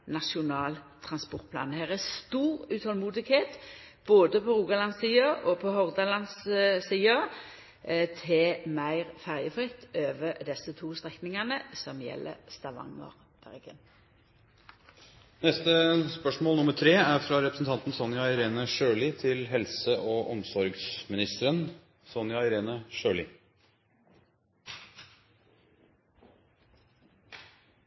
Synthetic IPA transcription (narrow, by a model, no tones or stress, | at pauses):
nɑʂʊnɑːlt̪ʰʁɑnspɔʁt̪̚pʰlɑ̰ːnhæːʁəst̪uːʁʉːt̪hɔlmuːd̪ɪɡheːt̪ | b̥oːd̪əpʰɔɾuːɡɑlɑnsiːɑʔɔpʰɔhɔʁd̪ɑlɑnssiːɑ | t̪ʰɛmæɪʁfæʁjəfʁɪt̪ːøːʋəd̪ɛsːət̪ʰuːst̪ʁɛknɪŋɑnəsɔmjɛ̰lːʔə̰st̪ɑʋɑ̰ŋə̰ʁ | b̥æ̰ʁɡə̰n | nɛst̪əspœʂmoːlnʊməʈ̪ʰɾeːæɾfɾɑɾɛpɾəsn̩t̪ɑnt̪n̩sɔnjɑɪɾeːnəʃøːlɪt̪ʰɪlɦɛlsəʔoʔɔmsɔɾɡsmɪnɪst̪əɾən | sɔnjɑɪɾeːnəʃøːlɪ